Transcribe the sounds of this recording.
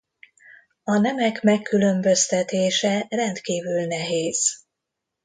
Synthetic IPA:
ɒnɛmɛkmɛkːylø̞mbø̞st̪ɛt̪eːʃɛrɛnt̪kiːvylnɛɦeːz̥

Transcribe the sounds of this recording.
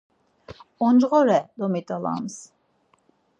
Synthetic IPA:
ɔnd͡ʒʁɔɾɛd̪ɔmit̪ʼalˠa̰ms

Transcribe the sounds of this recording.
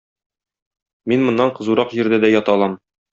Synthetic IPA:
minmŏnːɑɴqɤ̆zuɾɑqʑĭɾd̪æd̪æjɒt̪ɑlˠɑm

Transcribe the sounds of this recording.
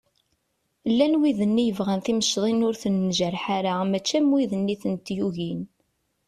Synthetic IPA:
lːænwiðənːijəvʁænθiməʃðˤinʊɾθənːʒəɾħaɾamæt͡ʃːæmwiðənːiθənt̪juʝin

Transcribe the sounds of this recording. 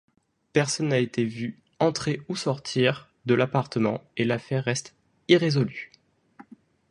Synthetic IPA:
pɛʁsɔnːaet̪evy | ɑ̃t̪χeusɔʁt̪ʰiʁ | d̪əlapaʁt̪əmɑ̰̃elafɛʁːɛst̪ | iʁezɔly

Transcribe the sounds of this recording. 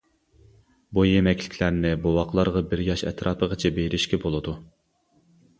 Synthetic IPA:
bujemɛkʲʰlɪ̥kʲʰlæɾnɪbowɑqlˠɑɾʁɑbɪɾjɑʃɛ̰t̪ʰɾʔɑːpʰəʁət͡ʃʰɛbeɾɪʃkʲɛbolˠɨd̪u

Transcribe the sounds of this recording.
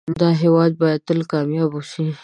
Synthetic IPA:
d̪ɑɦewɑd̪̚bɑjad̪̚t̪əlkɑmjɑbuʃi

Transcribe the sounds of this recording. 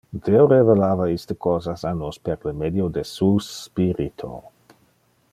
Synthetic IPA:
d̪̥eoɾevelaːvaist̪əkɔːzasanospeɾləmed̪jod̪esuspiɾit̪ʰo̰

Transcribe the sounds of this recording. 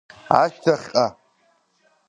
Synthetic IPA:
a̰ʃtʰaχʲqʼa

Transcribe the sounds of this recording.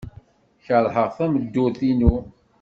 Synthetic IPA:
çəɾˤħəʁθæməd̪ːʊθinu

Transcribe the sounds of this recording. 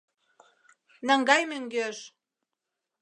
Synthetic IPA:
næŋɡɑjmøŋɡøʃ

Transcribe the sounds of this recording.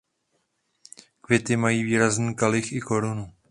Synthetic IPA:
kvɪt̪ɪmajiːviːɾazniːkalɪxɪko̞ɾunu

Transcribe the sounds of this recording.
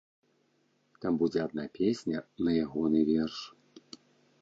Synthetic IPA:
t̪ambud͡zʲɛad̪̚napʲesʲnʲɐnɐjaɣɔnɨvʲɛrʂ

